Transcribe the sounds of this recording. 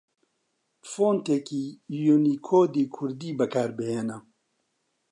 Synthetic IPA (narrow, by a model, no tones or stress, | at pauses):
foːnt̪ekiːjunikʰoːd̪iːkʰʊɾd̪iːbɛkʰaːɾbeɦena